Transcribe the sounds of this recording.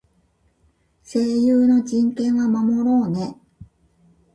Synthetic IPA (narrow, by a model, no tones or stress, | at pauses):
se̞ːjɯːno̞d͡ʑĩŋkẽ̞ɰ̃βamamo̞ɾo̞ːne̞